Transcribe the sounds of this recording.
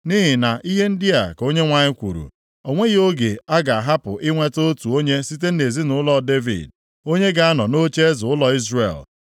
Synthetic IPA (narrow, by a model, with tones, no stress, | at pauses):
ni˦ɦɪ˨na˨ʔi˦ɦe˦n̩˦dɪ˦a˨ko˦ɲe˦ŋʷa˦ɲɪ˦kʷṵ˨ɾṵ˨ | ɔ˨ŋʷe˦jo˦ɡe˨a˦ɡa˨a˨ɦa˦pʊ˨ʔɪ˦ŋʷe˦to˦o˦tu˨o˦ɲe˦si˦te˦e˨zi˦nʊ˨ʊ˦lɔ˦˨de˦vḭ˨d̚ | o˦ɲe˦ɡa˨a˦nɔ˨no˦t͡ʃe˦zʊ˨ʊ˦lɔ˨i˦zrḛ˨l